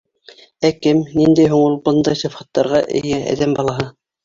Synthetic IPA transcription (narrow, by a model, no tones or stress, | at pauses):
ækɘmnind̪æjɦuɴulˠbɤnd̪ɑjsŏfχɑt̪ːɑɾʁɑʔɘ̰̆jææ̰ðæmbɑlˠɑɦɤ